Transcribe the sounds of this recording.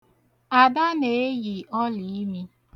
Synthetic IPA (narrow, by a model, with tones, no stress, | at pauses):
a˨da˦ne˨e˦ɣi˨ʔɔ˦li˨˦mi˦